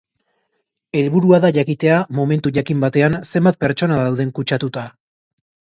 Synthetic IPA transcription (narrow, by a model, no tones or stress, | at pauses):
e̞lβuɾuaðaʝakit̪e̞amo̞me̞nt̪uʝakimbat̪e̞anse̞mbat̪̚pe̞ɾt͡ʃo̞naðawð̞e̞ŋkut͡ʃat̪ut̪a